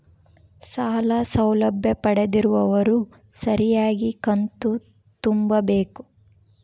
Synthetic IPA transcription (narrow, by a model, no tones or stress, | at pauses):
saːlɐsɐwlɐbʱjɐpɐɽed̪iɾuʋɐʋɐɾu | sɐɾijaːɡikɐnt̪u | t̪umbɐbe̞ːku